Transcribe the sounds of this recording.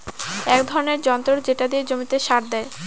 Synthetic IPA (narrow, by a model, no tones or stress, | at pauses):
ɛkd̪ʱɔɾoneɾd͡ʑɔnt̪ɾoɾd͡ʑeʈad̪ied͡ʑomit̪eʃaɾd̪ɛe